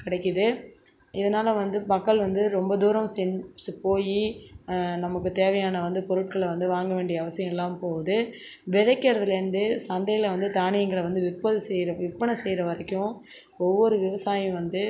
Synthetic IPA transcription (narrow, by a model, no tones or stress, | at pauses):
kɪɽɐɪkːɯðɯ | ɪðɐnaːlɐʋɐnd̪ɯpɐkːɐɭʋɐnd̪ɯɾɔmbɐd̪uːɾɐmsɛnspoːji | nɐmɐkːɯt̪eːʋɐjaːnɐʋɐnd̪ɯpɔɾɯʈ̚kɐɭʋɐnd̪ɯʋaːŋɡɐʋeːɳɖɪjɐɐʋɐsɪjɐ̃mɛlːaːmpoːʋɐðɯ | ʋɛðɐɪkːɐɾɐðɯlɛɾnd̪ɯsɐnd̪ɐjɪlɐʋɐnd̪ɯt̪aːɳɪjɐŋɡɐɭɐʋɐnd̪ɯʋɪpːɐðsɛjɾɐʋɪpːɐɳɐsɛjɾɐʋɐɾɐkːʊ̃ | ɔʋːɔɾɯʋɪʋɐsaːjʊ̃ʋɐnd̪ɯ